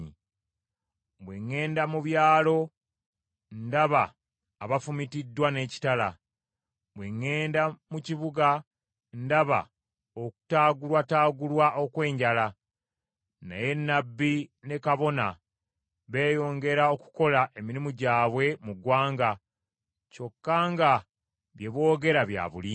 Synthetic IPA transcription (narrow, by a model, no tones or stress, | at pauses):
i | bwe̞ŋːe̞ːndamuβjaːlo̞ | ndaβaː | βafumitidːwane̞ːci̥tala | bweŋːe̞ːndamuciβuɡa | ndaβa̰ | oku̥taːɡulwataːɡulwaʔo̞kwe̞ːɲɟala | na̰je̞nːabːine̞kaβo̞na̰ | βe̞ːjo̞ːŋɡe̞ɾao̞ku̥ko̞laʔe̞miɾimuɟaːβwe̞muɡwaːŋɡa | co̞kːaːŋɡa | βje̞βwo̞ːɡe̞ɾaβja̰ːβuli